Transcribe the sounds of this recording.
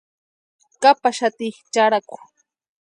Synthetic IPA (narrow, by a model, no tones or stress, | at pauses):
kapaʃat̪iχt͡ʃaɾakʊ̥